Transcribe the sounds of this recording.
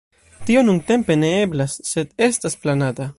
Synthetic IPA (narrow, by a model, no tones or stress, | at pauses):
tio̞nunte̞mpe̞ne̞e̞blasːe̞de̞stasplanata